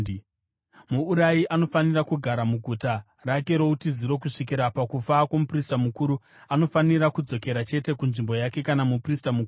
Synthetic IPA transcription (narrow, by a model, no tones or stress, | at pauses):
muːɾajiʔano̞fanirakuɡʱaɾamuɡʱuta | rake̞ɾo̞utiziɾo̞k̬uʂik̬iɾapakufakwomupristamukuːɾu | ano̞faniɾakud͡zo̞ke̞ɾat͡ʃe̞te̞kunʐimbo̞jake̞kanamupristamukuu